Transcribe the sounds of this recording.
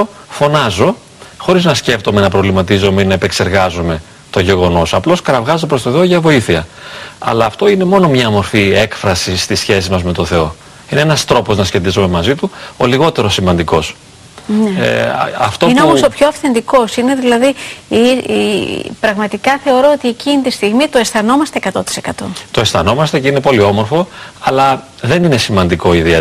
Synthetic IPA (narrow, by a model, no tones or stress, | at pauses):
o | fo̞nɐzo̞ | xo̞ɾiznɐsce̞ft̪o̞me̞nɐpɾo̞vlimɐt̪izo̞meinɐepe̞kse̞ɾɣɐzome̞ | t̪o̞ʝe̞ɣo̞no̞sɐplo̞skɐɾɐvɣɐzopɾo̞st̪oθeo̞ʝɐvo̞iθiɐɐ̰lɐːft̪o̞ine̞mo̞no̞mɲɐmo̞ɾfie̞kfɾɐsist̪isçe̞sizmɐzme̞t̪o̞θe̞o̞ | ineenɐst̪ɾo̞po̞znɐsçe̞t̪izome̞mɐzit̪uoliɣo̞t̪e̞ɾo̞simɐnd̪iko̞s | nḛɐ̰ft̪oineomosopçoɐfθe̞nd̪iko̞sine̞ðilɐðii | pɾɐɣmɐt̪ikɐθe̞oɾo̞ot̪ie̞cinit̪ist̪iɣmit̪oe̞stθɐno̞mɐst̪eeːkɐt̪o̞t̪i̥se̞kɐt̪o̞t̪oe̞sθɐno̞mɐst̪ece̞ine̞po̞lio̞mo̞ɾfo̞ɐlɐ | ðe̞nine̞simɐnd̪iko̞iðie